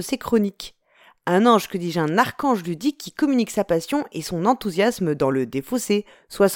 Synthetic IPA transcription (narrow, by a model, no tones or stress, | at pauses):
əsekχɔnik | ɛ̃nɑ̃ʒkəd̪iʒɛ̃naʁkɑ̃ʒlyd̪ikʰʲːikɔmyniksapasjɔ̃ʔesɔ̃nɑ̃t̪uzjasməd̪ɑ̃ləd̪efose | swas